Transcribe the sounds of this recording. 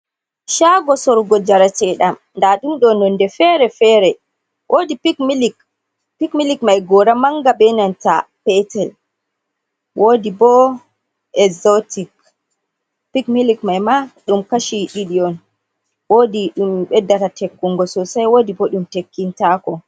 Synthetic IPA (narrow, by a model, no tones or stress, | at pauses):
ʃaɡɔsɔɾɡɔd͡ʒaɾat͡ʃɛɗam | ndaɗumɗɔnɔndɛfɛɾɛfɛɾɛ | wʔodipikmlik | pikmilikmajɡɔɾamaŋɡabɛnanta̰pɛtɛl | wʔodibɔ | ʔɛzɔtik | pikmilikmajmaɗumkaʃiɗiɗiɔn | wodiɗumɓɛdːatatekːuŋɡɔsɔsajwoːdibɔɗumtekːintakɔ